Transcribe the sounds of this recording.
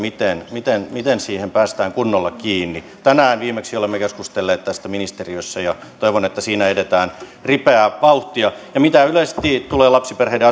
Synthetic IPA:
mit̪enmit̪enmit̪ensiːhempæːst̪æːŋkunːolːɑkiːnːi | t̪ænæːnʋiːmeksiolemːekeskust̪elːeːt̪t̪æst̪æminist̪eriøsːæjɑt̪oiʋonet̪ːæsiːnæedet̪æːn | ripeæʋɑuht̪iɑjɑmit̪æylest̪iːt̪uleːlɑpsiperheideɑ

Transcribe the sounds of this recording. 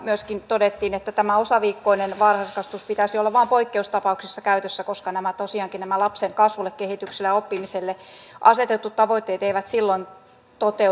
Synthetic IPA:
myøskint̪odet̪ːiːnet̪ːæt̪æmæosɑʋiːkːoinenʋɑrhɑskɑst̪uspit̪æsiolːɑʋʋɑːmpoikːeust̪ɑpɑuksisːɑkæyt̪øsːækoskɑnæmæt̪osiɑːŋkinnæmælɑpseŋkɑsʋulːˑekkehit̪yksilːæopːimiselːeʔɑ̰set̪et̪ːut̪tɑʋoit̪ːeːt̪eiʋæt̪silːoin | t̪ot̪e

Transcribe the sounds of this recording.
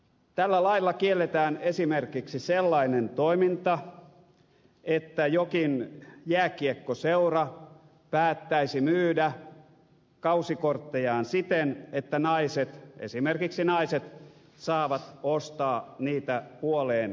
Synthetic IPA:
t̪ælːælɑilːɑkielːet̪æːnesimerkiksiselːɑinent̪oimint̪ɑ | et̪ːæjokinjæːkiekːoseurɑ | pæːt̪ːæisimyːdæ | kɑusikort̪ːejɑːnsit̪enet̪ːænɑiset̪ḛsimerkiksinɑiset̪ | sɑːʋɑt̪ost̪ɑːniːt̪æpuoleːn

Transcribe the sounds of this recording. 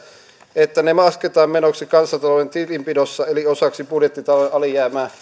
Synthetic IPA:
et̪ːænemɑsket̪ɑːmmenoksikɑnsɑt̪ɑloent̪ipimpidosːɑeliosɑksipudjet̪ːit̪ɑlooʔɑlijæːmæː

